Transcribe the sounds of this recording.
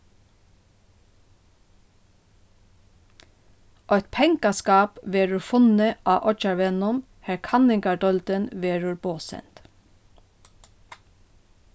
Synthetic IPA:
ʔœt̪pʰɛŋkɑskɑːpʋeːɹʉɹfʊnəʔɑːʔɔt͡ʃɑɹʋɛnʊm | hæɹkʰɑnɪŋɡɑɖɔlt̪ənʋeːɹʊɹboːsɛ̰nt̪

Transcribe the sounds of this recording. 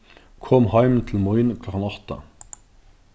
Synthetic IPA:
kʰɔmhɑɪmn̩t̪ʰl̩mɔɪnkʰlɔkɑnɑt̪ə̰

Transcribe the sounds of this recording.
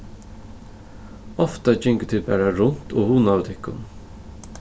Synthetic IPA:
ɔft̪ɑd͡ʒʏŋkət̪ʰɪlbæ̰ːɾaɾʊnt̪ʰoːhuːnɑʋt̪ʰɪkːʊ̰n

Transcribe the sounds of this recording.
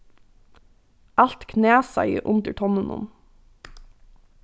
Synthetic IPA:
ɑlt̪kʰneːsɑɪəʔʊnd̪əʈʰɔnənʊ̰n

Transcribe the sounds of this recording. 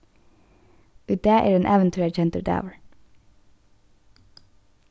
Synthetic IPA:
ʉːt̪̚d̪eːʔḛːɖɛnʔæʋənt̪ʰʉːæɹt͡ʃɛnt̪ə̰da̰ʊʋəɹ

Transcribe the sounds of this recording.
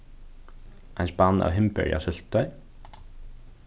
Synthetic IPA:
ɛnspanːa̰wɦɪmpɛ̰ɾja̰sʏl̥t̪ːœɥ

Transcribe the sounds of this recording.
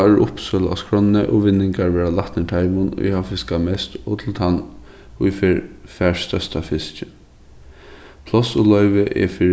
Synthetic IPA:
ɹʔʊpsœla̰skɹɔnːəʔɔʋɪnːɪŋkaɹʋɛːɹalaht̪nɪt̪ʰajmʊnʊ̰jhawfɪskamɛst̪ɔt̪ʰɪlt̪ʰan | ʊjfɛɹfæːɹst̪œst̪afɪst͡ʃɪ | pʰlɔsʊlœʏʋəʔɛ̰fiː

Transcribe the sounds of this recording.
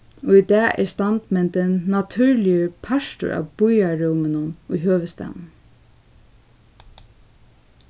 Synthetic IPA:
ɔid̪ɑːʔɛ̰ɹst̪ɑnt̪mɛnt̪ənːat̪ʰʉɹlɪəpʰɑʃt̪ʊ̰ɾʔa̰ːb̥ʊjaɾuːmənʊnʊjɦøːʋəst̪ɛ̰mn

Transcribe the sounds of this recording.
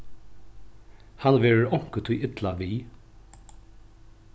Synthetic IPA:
hɑnʋeːɹɹʔɔŋkət̪ʰuːʔɪt̪lɑʋiː

